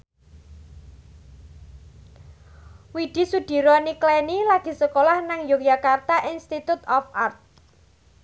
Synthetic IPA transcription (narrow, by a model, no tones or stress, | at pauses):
wiɖ̪̥i̤sud̪̥i̤ɾɔniklɛnilaɡ̥i̤səkolahnaŋjokjakart̪aʔinst̪it̪ut̪ɔfart̪̚